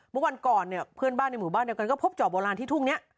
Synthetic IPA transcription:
mɯ˥˩˨wa˧nkɔː˨˩nːi˧˩ɐpʰɯ˥˩ənbaː˥˩nː˧jmuː˩˦baː˥˩ndi˧wka˧nkɔː˥˩pʰo˦˥p̚t͡ɕaː˨˩bɔː˧laː˧nʰiː˥˩t̪ʰu˥˩ŋni˦˥ɐʔ

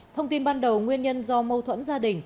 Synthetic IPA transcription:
t̪ʰə˧wŋ͡mt̪i˧nɓaː˧nɗə˨˩wŋwi˧ənɲə˧nzɔ˧mə˧wt̪ʰwə̰˧˥nzaː˧ɗï˨˩ŋ̟

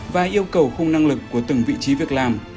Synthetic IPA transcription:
vaː˨˩ʔi˧əwkə˨˩wxʊ˧ŋ͡mna˧ŋlɨ˨˩kːu˧˩ət̪ɨ˨˩ŋvḭ˧˨t͡ɕi˨˦vi˨˩ək̚laː˨˩m

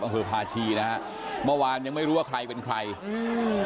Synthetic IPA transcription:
ʔa˧pʰɤː˧pʰaː˧t͡ɕʰiː˧na˦˥ha˦˥ | mɯ˥˩˨waː˧nja˧ŋma˥˩jɾuː˦˥wa˥˩kʰɾa˧jpe˧nkʰɾa˧jɯ˧

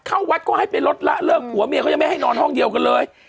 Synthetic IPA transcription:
kʰaː˧˩wwa˨˦˥t̪̚kɔː˧˩ha˥˩jpe˨nlo˦˥t̪̚la̰ː˧˥lɤː˧˩khu˨˦əmi˧˥kːa˧˦ma˥˩ha˥˩jnɔː˨˧nhɔ˧˥˩ŋɗi˨˩əwkəː˧˩nləː˧j

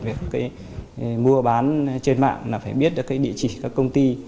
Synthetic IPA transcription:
vi˨˩əkːaː˨˦j | mu˧əɓaː˨˦nt͡ɕe˧nma̰ː˧˨ŋlaː˨˩faː˧˩jɓi˦˥ət̚ɗɨ˨˩kaː˨˦jɗḭ˧˨ət͡ɕi˧˩kaː˦˥kːə˧wŋ͡mt̪i˧

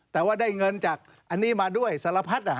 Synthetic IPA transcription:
t̪ɛː˨˩waː˥˩daː˥˩jŋɤ˧nt͡ɕaː˨˩k̚ | ʔa˧nːiː˦˥maː˧du˥˩əjsa˧˦la˧pʰa˦˥t̪̚ʔa˨˧

